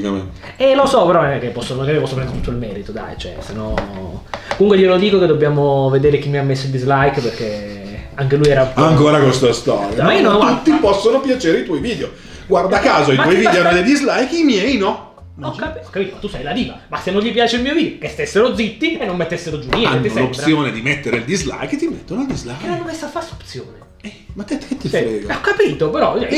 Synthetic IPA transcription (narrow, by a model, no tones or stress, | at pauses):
ikame | ɛlosɔpeɾɔmamekepːɔsːomakemːepɔsːopɾɛnd̪ɾet̪ut̪ːoilmɛːɾit̪od̪a̰jt͡ʃoɛ̰senːɔn | komuŋkwejolod̪iːkoked̪obːjaːmoved̪eːɾek̟imːiamːesːoild̪izlajkperkeaŋk̟elujɛːɾaaŋkoːɾakwest̪ast̪ɔɾjamenot̪ut̪ːipɔsːonopjat͡ʃeːɾeit̪wɔjviːd̪eo | ɡwaɾrd̪akːaːzoaitmɔjvid̪eoanːod̪ejd̪izlajkimjɛjnɔ | ɔkːapɔkːapiːt̪omat̪ːusɛjlad̪iːvamasːenːoɲʎipjaːt͡ʃeilmiːoviːd̪okest̪esːeɾod̪zit̪ːienːomːet̪ːesːeɾod͡ʒumit̪ːɛlop̪ɾsejoːned̪imet̪ːeɾeild̪izla̰jkt̪imet̪ːonoald̪izlaenanːomesːafaso̥pt̪sjoːne | ɛmat̪ːɛt̪ːkːet̪ːiɾɛɡɔkːapiːt̪opeɾɔɛ